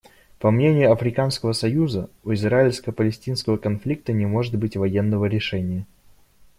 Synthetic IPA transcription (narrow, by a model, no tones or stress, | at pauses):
pɐmnʲenʲɪjʊɐfɾʲɪkanskəvəsɐjuzəʊɪzraɪlʲskəpəlʲɪsʲtʲinskəvəkɐnflʲik̚t̪ənʲɪmo̞ʐɨt̪̚bɨtʲvɐjenːəvəɾʲɪʂɛnʲɪjə